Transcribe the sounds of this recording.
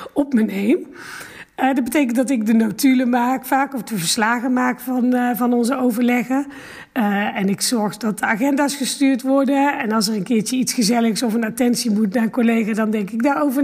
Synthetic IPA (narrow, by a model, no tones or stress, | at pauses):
ɔpmənejm | ədɑd̚bətejk̬əntdɑtɪɡ̚dənotyləmaːkfaːkɔfdəvəɹslaːɣəmaːkfɑnvɑnɔnzəowvəɹlɛχə | ɛnɪksɔɹχdɑt̚dəaːχɛndaːsχəstyːɹtʋɔɹdəɛnɑlˠs̬ərənkɪːɹt͡ʃəitsχəzɛləxsɔfənatɛnsimutnaːɹkɔlejɣaːdɑndɛŋkɪɡ̚daːɹowvə